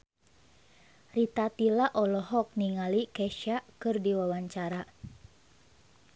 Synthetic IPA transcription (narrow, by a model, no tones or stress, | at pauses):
rit̪at̪ilaʔɔlɔɦɔk̚niŋalikɛʃaʔkɨrdiwawaɲt͡ʃaɾa